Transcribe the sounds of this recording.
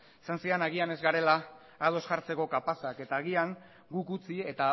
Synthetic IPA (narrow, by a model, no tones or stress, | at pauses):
isansianaɣiane̞zɡaɾe̞laː | ðo̞sʝaɾt͡se̞ko̞kapasake̞t̪aːɣiaŋ | ɡukut͡sie̞t̪a